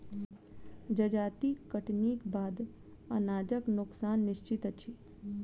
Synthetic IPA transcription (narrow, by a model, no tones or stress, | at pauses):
d͡ʒəd͡ʒaːt̪ikəʈniːkbaːd̪ | ɐ̰naːd͡ʒəknʊksaːnːɪʃt͡ʃɪt̪ət͡ʃʰi